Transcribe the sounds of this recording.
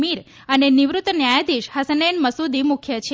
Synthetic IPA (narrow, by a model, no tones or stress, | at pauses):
miɾ | əneniʋɾut̪ːənjajad̪iʃhəsənenməsud̪imukʰjət͡ʃʰe